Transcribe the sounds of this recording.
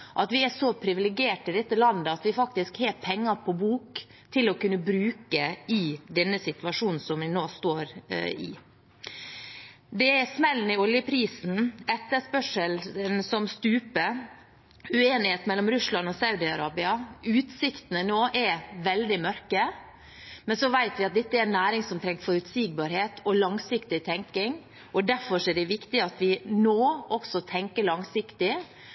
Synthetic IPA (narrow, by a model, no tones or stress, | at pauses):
ʔɑt̪ʋɪæʂɔpʰɾɪʋɪlɪɡɪeːʈɪd̪ɛt̪ːəlɑnd̪əɑt̪ʋɪfɑk̚t̪ɪskheːɾpʰɛŋːɑpʰɔbuːk | t̪ʰɪlɔkʉnːəbɾʉːkəɪd̪ɛnːəsɪt̪ʋɑʂuːnn̩sɔmʋɪnoːst̪oːɾɪ̰ | d̪ɛɛsmɛlːn̩ɪɔljəpʰɾiːsn̩ɛt̪ːəʂpœʂəlnsɔmst̪ʉːpə | ʉeːnɪheːt̪mɛlːɔmɾʉslɑnɔsɑʉd̪ɪɑɾɑːbɪɑʉːt̪sɪkt̪ənənoːʔɛɾʋɛld̪ɪmœɾkə | mɛnsɔʋæɪt̪ʋɪɑt̪̚d̪ɛt̪ːəɛɾnːæːɾɪŋsɔmt̪ʰɾɛŋkfɔɾʉt̪siːɡ̚bɑːɾheːt̪ʰɔlɑŋsɪkt̪ɪt̪ʰɛŋkɪŋ | ɔd̪æɾfɔʂɔɛɖɛʋɪkt̪ɪɑt̪ʋɪnoːʔɔksɔt̪ʰɛŋkəɭɑŋsɪkt̪ɪ